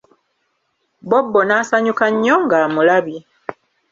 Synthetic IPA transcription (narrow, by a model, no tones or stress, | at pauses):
bobːo̞naːsaɲukaɲːoŋɡaːmulaβi